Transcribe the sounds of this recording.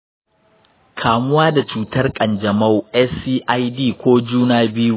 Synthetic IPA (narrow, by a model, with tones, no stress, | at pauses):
kʰaː˨mʊ˦waː˦da˨t͡ʃuː˨tɐ˦rkʼɐ˨nd͡ʒɐ˨mɐ˦˨wʔɛ˦siː˦ʔa˦jdiː˦˨kʷoː˦d͡ʒuː˦naː˦bɪ˦ju˦˨